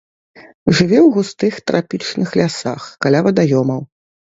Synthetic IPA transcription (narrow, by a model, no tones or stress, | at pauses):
ʐɨvʲɛwɣust̪ɨxt̪ɾʔapʲit͡ʂnɨxlʲasa̰xkalʲavɐd̪ajɔmɐw